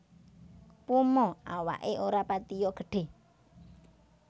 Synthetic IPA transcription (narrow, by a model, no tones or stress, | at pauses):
pumɔawa̰ʔeʔoɾapat̪ijɔɡ̥ə̤ɖ̥e̤